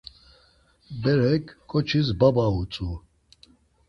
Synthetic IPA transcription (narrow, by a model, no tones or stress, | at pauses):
bɛɾɛkʰkʼɔt͡ʃʰis̬babaut͡sʼu